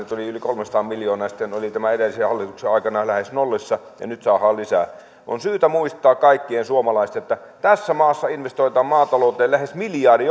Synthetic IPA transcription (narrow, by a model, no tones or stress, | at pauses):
nyt̪oliylikolmensɑt̪ɑːmmiljoːnɑːjɑsi̥t̪ːenolit̪æmæedelːˑisehɑlːit̪ukseɑˑikɑnɑlæhesnolːisːɑ | jɑ̰nyt̪sɑːhɑːlisæ̰ | ɑ̰nsyːt̪æmuist̪ˑɑːkkɑikːiensuomɑlɑˑist̪eet̪ːæ | t̪æsːæmɑːsːɑinʋest̪oit̪ɑːmmɑːt̪ɑloˑut̪ˑeːlæhesmiljɑːdi